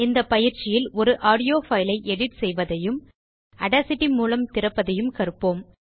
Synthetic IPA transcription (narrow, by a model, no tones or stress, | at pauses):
ɪnd̪ɐpːɐjɪɾt͡ʃɪjɪlɔɾɯʔaːɽɪjoːfɐjlɐɪʔɛɽɪʈsɛjʋɐðɐjɯm | ɐɽasɪʈːimuːlɐmt̪ɪɾɐpːɐðɐjɯmkɐɾɯpːoːm